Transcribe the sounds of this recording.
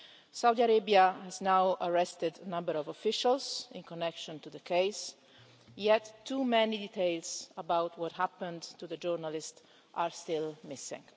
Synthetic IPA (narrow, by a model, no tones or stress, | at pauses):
sawd̪iaɾebiahɛznawʔəɹɛst̪ɪd̪ənʌ̃mbəɾɔvɔfɪʃalzɪ̃nkɔnɛkʃɔ̃nt̪uðəkʰeɪs | jɛtʰːumɛnidit̪ʰeɪlsəbawtʰwɔt̪hæpə̃ndtuðəd͡ʒɔɹnalɪst | ʔaɹst̪ɪlmɪsɪ̰̃ŋ